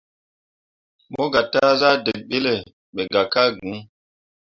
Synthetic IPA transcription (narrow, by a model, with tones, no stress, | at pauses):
mo˦ɡa˨ta˦za˦de˨k̚ɓe˦le˨ | ɓe˨ɡa˨ka˦ɡũ˨˦